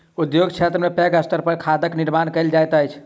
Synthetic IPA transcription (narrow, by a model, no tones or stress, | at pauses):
ud̪joɡt͡ʃʰet̪ɾəmepeɡəsʈəɾpəɾkʰad̪əkniɾmankəjld͡ʒajt̪əjt͡ʃʰ